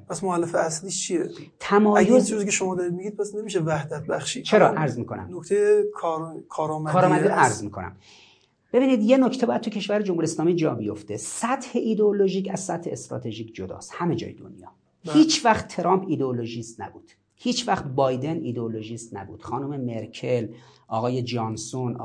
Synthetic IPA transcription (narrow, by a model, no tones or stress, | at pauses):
pʰæsmoælːefeæsliːʃt͡ʃʰiet̪ʰæmɒːjozd͡ʒozicʰeʃomɒːd̪ɒɾid̪̚miɡiːd̪̚pʰæsnemiʃevæhd̪æt̪̚bæχʃiːd̪t͡ʃʰe̞ɾɒːʔæɾzmiːkʰo̞næ̰mnokt̪ʰejekʰːɾkʰɒːɾɒːmækʰɒːɾɒːmæd̪iɾoæɾzmiːkʰo̞næ̰m | be̞biːniːd̪je̞nocʰt̪e̞bɒːjæd̪̚t̪ʰucʰe̞ʃvæɾed͡ʒomhuɾieslɒːmiːd͡ʒɒːbijoft̪esæt̪ʰhe̞ʔiːd̪eoloʒiːcæzsæt̪he̞est̪ɾɒ̰ːt̪ʰeʒiːcʰd͡ʒod̪ɒ̰ːst̪hæmed͡ʒɒ̰ːjed̪o̰njɒ̰ː | hiːt͡ʃʰvæxt̪t̪ʰːeɾɒːmpʰiːd̪eoloʒiːst̪næ̰buːd̪̥ | hiːt͡ʃʰvæxt̪bɒːjd̪e̞niːd̪eoloʒiːst̪næbṵːd̪xɒːnomemeɾcʰe̞lʔɒːɣɒːjed͡ʒɒnson